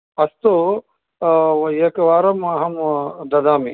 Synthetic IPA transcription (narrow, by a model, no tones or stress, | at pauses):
ɐst̪o | eːkʋaːɾɐmɐɦɐmd̪ɐd̪aːmi